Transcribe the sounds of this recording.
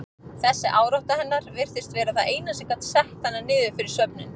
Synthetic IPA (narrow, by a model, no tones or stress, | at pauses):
θɛsːɪʔaːwɾɔht̪ahɛnːaɾ̥vɪr̥θɪst̪vɛːɾaθaðeːjnasɪkat̪sɛht̪hanːanɪːðʏfɪɾɪɾ̥sœpnʏn